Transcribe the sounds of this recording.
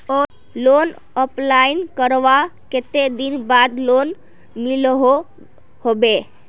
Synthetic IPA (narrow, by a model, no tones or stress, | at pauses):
ɔ | lon | ɔplainkəɾʋaket̪ed̪inbad̪lon | milɦo | hobe